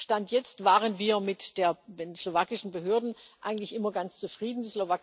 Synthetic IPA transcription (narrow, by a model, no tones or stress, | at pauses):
ʃtantʰjɛt͡stv̥aːʁənviːɐmɪtd̥eːɐenslovaːkɪʃn̩bəɦøːɐdn̩ʔa̰ɪɡŋ̩tlɪçʔɪmɐɡant͡st͡sufʁ̥iːdn̩dislovaːk